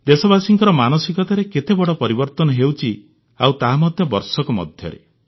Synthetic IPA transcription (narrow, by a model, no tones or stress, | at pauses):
d̪esɔbasiŋkɔɾɔmanɔsikɔt̪aɾeket̪ebɔɽɔpɔɾibɔɾt̪ɔnɔɦewt͡ʃʰi | awt̪aɦamɔd̪ʱjɔbɔɾsɔkɔmɔ̰d̪ʱjɔ̰ɾḛ